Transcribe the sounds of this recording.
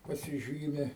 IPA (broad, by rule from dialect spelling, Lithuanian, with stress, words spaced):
pɐsʲɪˈʒʲiːmʲɪ